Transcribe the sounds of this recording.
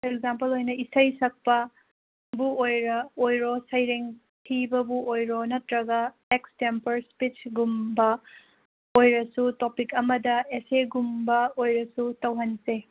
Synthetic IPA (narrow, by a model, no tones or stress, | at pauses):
ekzampɐlojnɐʔisɐjsɐk̚pɐ | buojɾɐojɾosɐjɾeŋ | tʰibɐbuʔojɾonɐtɾɐɡɐ | ekstempɐɾspit͡ʃɡumbɐ | ojɾɐsutopikɐmɐdɐeseɡumbɐojɾɐsutɐwɦɐnse